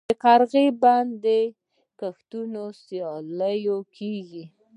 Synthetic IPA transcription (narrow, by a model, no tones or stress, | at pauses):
əkaɾɣeband̪e | kaxt̪unosjɑləjokʰeɡi